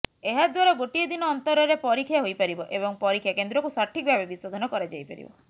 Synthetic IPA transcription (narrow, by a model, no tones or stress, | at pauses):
eɦad̪waɾɔɡoʈijed̪inɔːnt̪ɔɾɔɾepɔɾikʰjaɦojpaɾibɔʔebɔŋpɔɾikʰːjakend̪ɾɔkusaɾʈʰik̚bʱabebisod̪ʱɔnɔkɔɾad͡ʒajpaɾḭbɔ̰